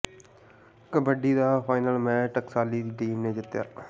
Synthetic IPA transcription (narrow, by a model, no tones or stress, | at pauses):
kəbəɖiːd̪aːpʰaːɪnəlmɛ̃ːʈəksaːliːd̪iːʈiːmneːd͡ʒɪt̪ja̰ː